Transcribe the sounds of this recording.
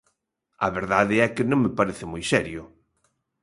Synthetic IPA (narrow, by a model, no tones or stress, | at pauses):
ɐ̰βeɾðaðɪɛkɪnõŋmɪpaɾeθɪmojsɛɾjʊ